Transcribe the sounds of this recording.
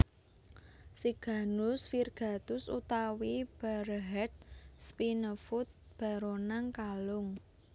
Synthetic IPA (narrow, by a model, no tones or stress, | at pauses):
siɡ̥a̤nʊsfirɡ̥a̤t̪ʊsṵt̪awib̥aɾəɦɛt̪̚spinəfʊt̪̚ | b̥a̤ɾonaŋkalʊŋ